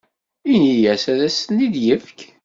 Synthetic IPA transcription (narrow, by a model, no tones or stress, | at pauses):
inijæsæðæsnːid̪jəfk